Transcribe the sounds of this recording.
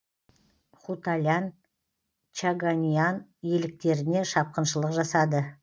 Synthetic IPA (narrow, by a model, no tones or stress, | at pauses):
χut̪alʲan | t͡ʃaɡanʲijɑnje̞lɪk̚t̪e̞ɾɪne̞ʃɑp̚qənʃəlˠəqʒɑsɑd̪ə